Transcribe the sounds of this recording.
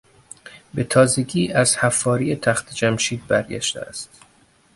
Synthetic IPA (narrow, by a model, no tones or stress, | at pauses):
be̞t̪ʰɒːze̞ɟiːʔæz̥hæfːɒːɾijet̪ʰæxt̪ʰed͡ʒæmʃiːd̪̚bæɾɟæ̰ʃt̪ḛæ̰st̪